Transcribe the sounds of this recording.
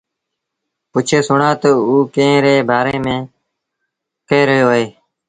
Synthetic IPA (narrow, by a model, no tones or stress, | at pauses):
pʊt͡ʃʰeːsʊɳãːt̪oːuːkẽːɾeːbaːɾeːmẽː | keːɾəɦjoːɦeː